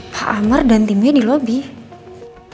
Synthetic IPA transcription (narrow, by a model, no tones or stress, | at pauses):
haʔamərdant̪imedilobih